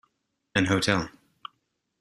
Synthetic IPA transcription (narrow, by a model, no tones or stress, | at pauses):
ɨ̃nɦoʊtʰɛlˠ